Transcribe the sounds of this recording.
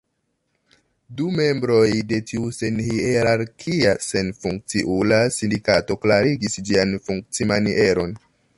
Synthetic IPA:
dume̞mbɾo̞jde̞tiuse̞nhieɾaɾkʰiase̞nfuŋk̚t͡siʔulasindikato̞klaɾiɡisd͡ʒianfuŋk̚t͡simaniʔe̞ɾo̞n

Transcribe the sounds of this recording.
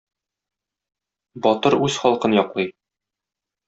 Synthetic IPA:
bɒt̪ɤɾʉzχɒlˠqɤnjɒqlˠɤj

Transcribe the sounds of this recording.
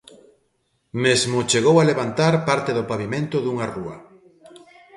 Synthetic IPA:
mezmʊt͡ʃeɣ̞owaleβant̪aɾpaɾt̪eðʊpaβimẽnt̪ʊðuŋaruɐ̰

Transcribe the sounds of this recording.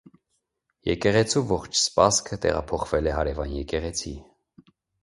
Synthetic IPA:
jɛkɛʁɛt͡sʰuvɔχt͡ʃʰspɑskʰət̪ɛ̰ʁɑ̰pʰɔχv̥ɛlɛɦɑɾɛvɑnjɛkɛʁɛt͡sʰi

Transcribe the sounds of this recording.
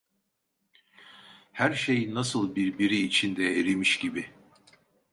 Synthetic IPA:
hæɾʃe̞jinːasɯlˠbiɾbiɾiːt͡ʃʰind̪ɛeɾimiʃɟibi

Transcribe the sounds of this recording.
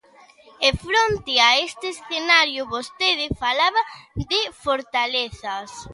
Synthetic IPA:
efɾont̪ɪaest̪eesθenaɾjʊβost̪eð̞ɪfalaβɐðɪfoɾt̪aleθɐs

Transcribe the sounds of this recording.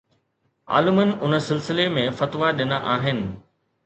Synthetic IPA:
a̰ːləmənɪ̆ʔʊnə̆sɪlsɪlemẽfɐt̪ʋaɗɪnaʔaːɦɪnɪ̆

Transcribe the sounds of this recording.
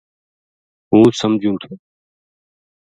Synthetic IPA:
ɦuːsəmd͡ʒʱũːt̪ʰeː

